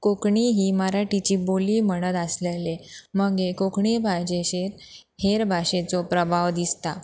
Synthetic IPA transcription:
kokɳiɦiːməɾaʈit͡ɕiːboliːməɽ̃ət̪əsleleməɡekokɳibʱad͡ʑeɕeɾ | heɾbʱaɕet͡sɔpɾəbʱaʋd̪ist̪a

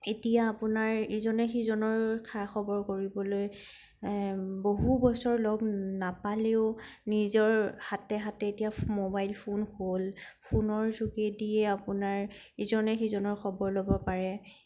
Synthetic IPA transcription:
etijaːpunaɹizɔnɛxizɔnɔɹkʰaxɔbɔɹkoɹibɔloj | boɦubɔsɔɹlɔɡnapaleʊnizɔɹhatɛɦatɛːtijamobajlpʰonholpʰunɔɹzuɡɛdiɛapunaɹ | izɔnɛxizɔnɔɹxʰɔbɔɹlobɔpaɹɛ

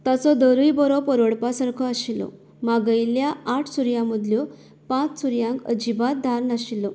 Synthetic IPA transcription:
t̪at͡sɔd̪əɾujbɔɾɔpəɾoɽpasaɾkʰɔəɕilːɔ̰ | maɡəjiljaːʈʰsuɾjãməd̪ljɔ | pãt͡ssuɾjãŋkəd͡ʑibat̪̚d̪ʱaɾnaɕilːɔ

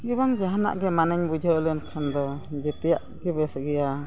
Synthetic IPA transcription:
ɡiβaŋd͡ʒaɦana̰ʔɡɛmanəɲbud͡ʒʱələnkʰand̪ɔd͡ʒɛt̪ɛjaʔɡɛbɛsəɡɛja

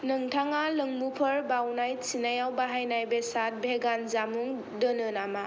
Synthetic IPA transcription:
nɯŋtʰaŋalɯŋmupʰəɾbawnajsinajawbaɦajnajbesat̚bʱeɡanzamuŋ | dɯnɯnama

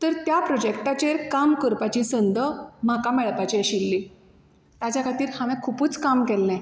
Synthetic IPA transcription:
t̪əɾt̪japɾɔd͡ʑekʈat͡ɕeɾkamkəɾpat͡ɕiːsənd̪əm̤akamɛɭpat͡ɕiɕilːi | t̪ad͡ʑakʰat̪iːɾhaʋɛ̃kʰupuːt͡skamkɛlːɛ̃

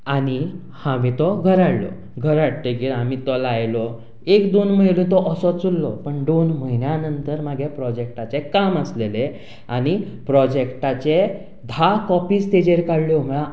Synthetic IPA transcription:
añi | hãʋet̪ɔɡʱəɾaɽlɔ̰ | ɡʱəɾaɽʈ̪iɡiamit̪ɔlajlɔ | ekd̪onməilũːt̪ɔʔəsɔt͡sulːɔpəɳd̪onməɦinjanənt̪əɾmaɡʱepɾɔd͡ʑek̚ʈat͡sekaməslele | añipɾɔd͡ʑekʈat͡ɕe | d̪ʱakɔpiːst̪ed͡ʑeɾkaɽljɔm̤əã

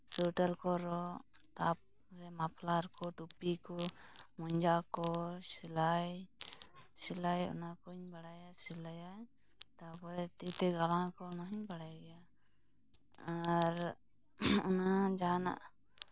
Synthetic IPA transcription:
suʈaɾkɔɾɔt̪ap̚ | ɾɛmapʰlaɾkɔʈupikɔmɔɲd͡ʒakɔsilaj | silajɔ̰nakɔiɲbaɽajasilaja | t̪apɔɾɛt̪it̪ɛɡalãkɔnaɦiɲbaɽajɡɛja | aɾ | ɔnad͡ʒana̰ʔ

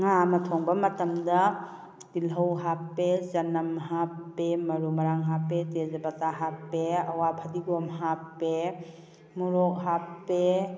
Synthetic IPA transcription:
ŋamɐtʰɔŋbɐmɐtɐmdɐ | tilɦɐwɦapːezɐnɐmɦapːemɐɾumɐɾaŋɦapːetezɐbataɦapːeɐwapʰɐdiɡɔmɦapːe | muɾɔk̚ɦapːe

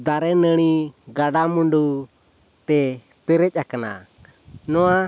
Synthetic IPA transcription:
d̪aɾɛnəɽ̃iɡaɖamuɳɖu | t̪ɛ | pɛɾɛc̚ˀakana̰ | nɔwa

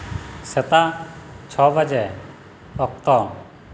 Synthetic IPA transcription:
sɛt̪at͡ʃʰɔbʱəd͡ʒɛ | ɔk̚t̪ɔ

